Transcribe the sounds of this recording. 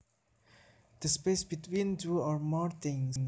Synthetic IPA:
d̪̥əspesbit̪wĩntuɔɾmɔɾt̪ʰĩŋŋ

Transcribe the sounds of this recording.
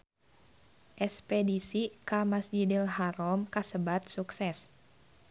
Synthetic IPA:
ʔɛspɛdisikamasd͡ʒidilɦaɾɔmkasəbat̪̚suksɛs

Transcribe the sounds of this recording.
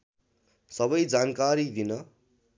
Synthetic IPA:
sʌβʌjd͡zankaɾid̪inʌ

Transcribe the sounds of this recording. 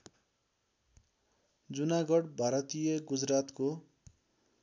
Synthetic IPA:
d͡zunaɡʌɽbʱaɾʌt̪ijʌɡud͡zrat̪ko

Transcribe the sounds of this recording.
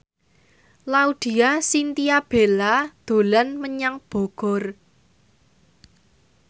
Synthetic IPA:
laud̪̥i̤asint̪iab̥elad̪̥o̤lanməɲaŋb̥ɔ̤ɡ̥ɔ̤r

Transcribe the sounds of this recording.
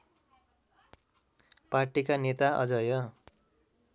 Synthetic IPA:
parʈikanet̪aʔʌ̰d͡zʌjʌ

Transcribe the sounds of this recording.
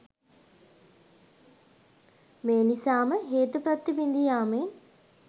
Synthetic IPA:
meːnisaːməɦeːt̪upɾat̪ːibind̪ijaːme

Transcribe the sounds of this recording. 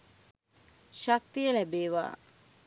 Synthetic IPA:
ʃak̚t̪ijəlæbeːʋa̰ː

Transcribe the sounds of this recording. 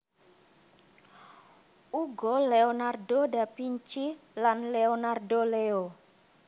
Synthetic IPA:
uɡɔleonardodapiɲt͡ʃilanleonardoleo

